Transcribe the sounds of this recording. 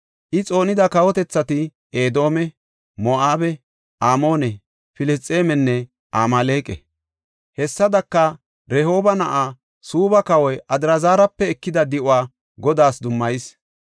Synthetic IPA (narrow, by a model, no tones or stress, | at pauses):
ʔɪt͡sʼo̞ːnɪd̪ɐkɐwɔt̪ɛt͡sːɐt̪ɪ | ʔeːd̪o̞ːmɛ | moaːbɛ | ʔaːmo̞ːnɛ | fɪlɛst͡sʼːe̞ːmɛnːɛ | ʔaːmaːleːkʼɛ̰ | hɛsːɐd̪ɐkːɐ | ɾɛho̞ːbɐnɐʔaː | suːbɐkɐwɔjʔɐd̪ɪɾɐzaːɾɐpːɛɛkːɪd̪ɐd̪ɪʔʊaː | ɡɔd̪aːsd̪ʊmːɐjɪs